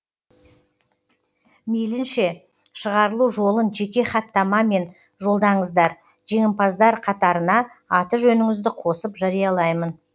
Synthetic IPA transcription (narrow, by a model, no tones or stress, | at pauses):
melɪnʃe̞ | ʃəʁɑɾəlˠuʒo̞lˠənʒe̞kʲe̞χɑt̪ːɑmɑme̞n | ʒo̞lˠd̪ɑɴəzd̪ɑɾ | ʒe̞ŋʲɪmpɑzd̪ɑɾqʰɑt̪ɑɾənɑ | ɑt̪əʒɵnɪŋɪzd̪ɪqʰo̞səpʒɑɾijɑlˠɑjmən